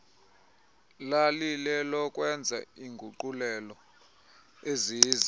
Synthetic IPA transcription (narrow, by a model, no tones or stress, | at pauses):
lalilɛlɔkʼwɛnd͡zʱa̰iŋɡʱuǃulɛlɔ | eziːzi